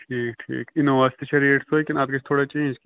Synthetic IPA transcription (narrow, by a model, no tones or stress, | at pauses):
ʈʰiːk̚ʈʰḭːkɪnoʋaːst̪iʃɐɾiːʈsoeːkɪnaːt̪kɐt͡ʃʰt̪ʰoːɽat͡ʃẽːd͡ʒk